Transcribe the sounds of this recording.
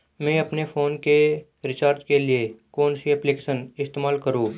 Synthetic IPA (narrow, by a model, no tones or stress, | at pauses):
mɛ̃ːɐpnefʰoːnke | ɾɪt͡ʃaːɾd͡ʒkeliekoːnsiɛplikeːʃənɪst̪eːmaːlkəɾũː